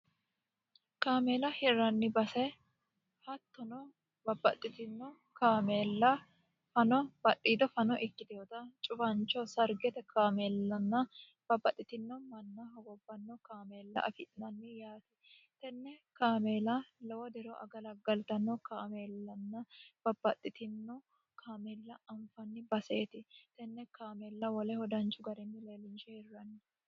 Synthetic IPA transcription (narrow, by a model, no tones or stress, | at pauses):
kaːmeːlɐhɛɾɐnːɪbɐsɛ | hɐt̪ːɔnɔ | bɐbːɐt̪ʼːɪt̪ɪnːɔ | kaːmeːlːɐ | fɐnɔb̥ɐɗiːd̪ɔfɐnɔʔɪkːɪd̪ɛjɔt̪ɐt͡ʃʼʊbɐnt͡ʃːɔsɐɾɡɛt̪ɛkaːmeːlːɐnːɐ | b̥ɐbːɐt̪ʼːɪt̪ɪnːɔmɐnːɐɦɔɡɔbːɐnːɔkaːmeːlːɐ̰ʔɐ̰fɪt̪ʼnɐnːɪjaːt̪ɪ̥ | t̪ɛnːɛkaːmeːlɐlɔwɔd̪ɛɾɔʔɐ̰ɡɐlɐɡɐlt̪ɐnːɔkaːmeːlːɐnːɐb̥ɐbːɐt̪ʼːɪt̪ɪnːɔ | kʰaːmeːlːɐɐmfɐnːɪbɐseːt̪ɪt̪ɛnːɛkaːmeːlːɐwɔlɛhɔd̪ɐnt͡ʃːʊɡɐɾɛnːɪleːlɪnʃɛɛrːɐnːɪ